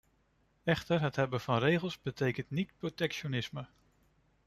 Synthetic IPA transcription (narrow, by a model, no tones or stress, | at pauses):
ɛχtəɹɦətɦɛbəv̥ɑnrejχəlˠzbətejkəntnitprotɛkʃonɪsmə